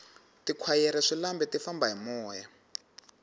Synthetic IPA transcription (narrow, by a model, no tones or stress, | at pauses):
tikʰwajɛɾɛʂilambɛtifambaɦimɔːja